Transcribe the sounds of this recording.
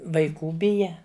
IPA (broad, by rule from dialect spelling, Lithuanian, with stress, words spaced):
ʋɐɪˈkuː ˈbʲɪjɛ